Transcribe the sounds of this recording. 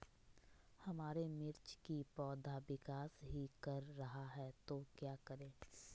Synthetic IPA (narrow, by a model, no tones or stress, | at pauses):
hɐmaːɾemɪɾt͡ʃkipɔːd̪ʱabɪkaːsɦikɐɾːɐɦaɦɛːt̪okjaːkɐɾẽː